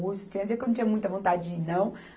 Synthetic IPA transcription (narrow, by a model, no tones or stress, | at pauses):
ɡust̪ʊ̥t͡ʃĩɲɐvekenɐ̃t͡ʃĩɐ̃mũj̃t̪ɐvõnt̪ad͡ʒɪd͡ʒnɐ̃w̃